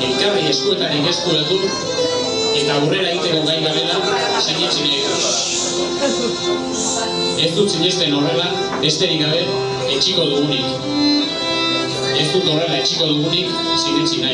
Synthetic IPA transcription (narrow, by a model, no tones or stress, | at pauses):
elkarie̞st̪ue̞t̪aɾike̞st̪uɾot̪ik | e̞t̪aure̞ɾaeɣit̪e̞ko̞ɣajɣaβe̞la | seɲit͡ʃinaeɣta | e̞st̪unt͡siɲest̪e̞norela | be̞st̪e̞ɾikɡaβe̞ | et͡ʃiko̞ðuɣunik | e̞st̪ut̪o̞re̞laet͡ʃiko̞ðuɣunik | seɲit͡sina